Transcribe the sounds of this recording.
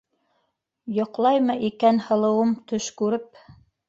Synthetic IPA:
jŏqlˠɑjmɤʔikænhɤ̆lˠɤ̆wɤmt̪ɵʃkʉɾɘp̚

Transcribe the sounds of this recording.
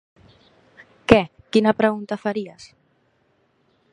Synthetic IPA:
kɛ | kinapɾeɣunt̪afaɾias

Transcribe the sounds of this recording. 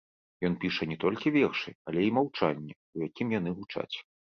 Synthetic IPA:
jɔnpʲiʂɐnʲɛt̪ɔlʲkʲivʲɛrʂɨalʲɛimawt͡ʂanʲːɛ | ujakʲimjan̪ɨɣut͡ʂa̰t͡sʲ

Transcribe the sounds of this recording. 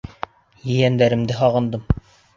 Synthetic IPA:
jɘ̆jænd̪æɾɘ̆md̪ɘɦɑʁɤ̆nd̪ɤm

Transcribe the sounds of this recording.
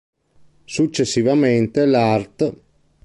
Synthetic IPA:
sut͡ʃːesːivament̪elart̪

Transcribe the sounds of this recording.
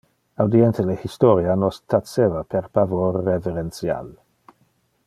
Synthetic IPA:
awd̪ient̪elehist̪ɔɾjanɔst̪asevapʰeɾpavorːeveɾensja̰l

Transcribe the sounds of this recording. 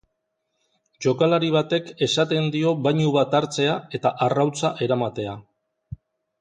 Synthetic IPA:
ʝo̞kalaɾiβ̞at̪e̞ke̞sat̪e̞nd̪io̞βajɲuβat̪aɾt͡se̞ae̞t̪aʔarawt͡saʔe̞ɾamat̪e̞a

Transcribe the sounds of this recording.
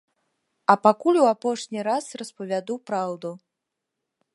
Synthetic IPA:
ɐpakulʲuapɔʂnʲiɾasrɐspɐvʲad̪upɾawd̪u

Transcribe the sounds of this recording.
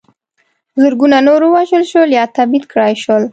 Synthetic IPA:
zəɾɡunanoɾəwaʒəlʃəljɑt̪abit̪kɽɑjʃwəl

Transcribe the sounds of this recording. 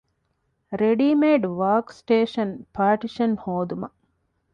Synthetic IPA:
ɾeɖimeːɖʋaːɾksʈeːʃɐnpaːʈiʃɐnhoːd̪umɐ

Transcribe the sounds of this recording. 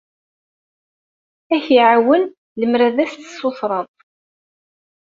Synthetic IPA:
æçiʕawən | ləmɾæðæst̪ːə̥sːoθɾˤɑðˤ

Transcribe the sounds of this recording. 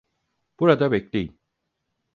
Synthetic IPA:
b̥uɾad̪abeclʲejin

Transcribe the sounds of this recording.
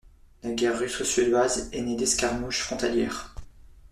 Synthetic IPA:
laɡʲɛʁːysosɥed̪wazɛned̪ɛskaʁmuʃfχɔ̃t̪aljɛːʁ

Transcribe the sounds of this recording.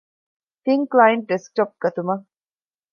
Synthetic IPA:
t̪iŋklajɐɳʈ̚ɖesk̚ʈop̚ɡ̥ɐt̪umɐ

